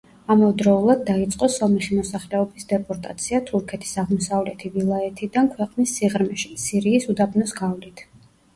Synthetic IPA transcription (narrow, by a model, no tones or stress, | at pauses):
amɔvd̪ɾɔulˠad̪ːait̪sʼqʼɔsɔmɛχimɔsaχlɛɔbisd̪ɛpʼɔɾt̪ʼa̰t̪sʰiat̪ʰuɾkʰɛt̪ʰi̥saʁmɔsavlɛt̪ʰivilˠaɛt̪ʰid̪ankʰwɛqʼnisːiʁɾmɛʃi̥siɾiːsud̪abnɔsɡavlit̪ʰ